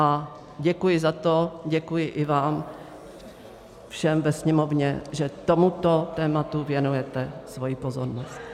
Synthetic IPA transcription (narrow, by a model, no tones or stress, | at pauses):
ʔa | ɟɛkujɪzat̪oɟɛkujɪʔɪvaːm | fʃɛmvɛsɲɛmo̞vɲɛʒɛt̪o̞mut̪o̞t̪ɛːmat̪uvjɛnujɛt̪ɛsvo̞jipozoɾnost̪